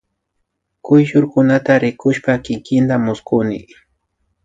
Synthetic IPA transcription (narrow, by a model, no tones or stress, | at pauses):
kʊjʃʊɾkʊnat̪aɾɪkʊʃpakɪkɪnt̪amʊskʊnɪ̰